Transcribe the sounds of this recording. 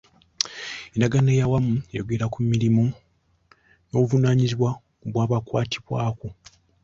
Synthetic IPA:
enaɡanejawamuejoɡe̞ɾakumːiɾimo | no̞ːβuvunaːɲiziβwa | βwaːβakwaːtʰiβwaːko

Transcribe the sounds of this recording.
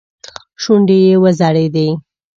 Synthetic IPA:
ʃuɳɖejewəzaɽed̪e

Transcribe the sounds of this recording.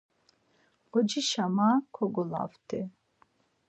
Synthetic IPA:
ɔd͡ʒiʃamakʰɔɡɔla̰vt̪ʰʼɛ

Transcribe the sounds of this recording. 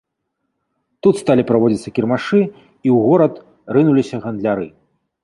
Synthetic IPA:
t̪ut̪st̪alʲipɾavɔd͡zʲit̪sːɐkʲirmaʂɨ | iwɣɔɾɐt̪ | rɨnulʲisʲɐɣɐnd̪lʲaɾɨ

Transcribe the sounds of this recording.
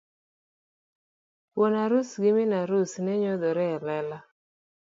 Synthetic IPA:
pwonaɾʊsɡɪmɪnaɾʊsnɛɲod̪ɔɾɛlɛla

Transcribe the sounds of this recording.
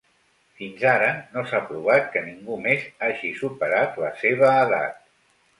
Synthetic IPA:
finzaɾənosapɾuβ̞at̪̚kəniŋɡumezaʒisupəɾat̪ləseβ̞əːða̰t̪̚

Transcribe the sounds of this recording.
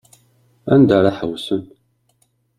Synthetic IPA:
æ̰nd̪aɾaħəwsən

